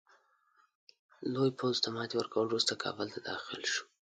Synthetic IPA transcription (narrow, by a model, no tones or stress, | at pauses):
lojpʰozt̪amɑt̪ewəɾkawəlɾust̪akʰɑ̰bəlt̪ad̪ɑxɪ̰lʃu̥